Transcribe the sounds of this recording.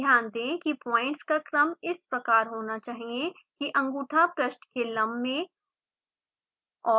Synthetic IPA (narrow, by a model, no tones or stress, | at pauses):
jaːnd̪ẽkipɔ̃ːɪ̃ɳʈskakɾɐmɪspɾɐkaːɾɦoːnat͡ʃaːɦiẽ | kiʔɐ̃ŋɡuːʈʰapɾɐʃnkelɐ̃mbːẽ | ɔː